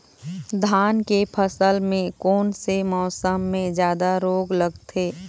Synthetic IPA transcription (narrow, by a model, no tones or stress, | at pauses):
d̪ʱaːnkepʰəsəlmẽkɔːnsemɔːsəmːẽd͡ʒjaːd̪aɾoːɡləɡt̪ʰeː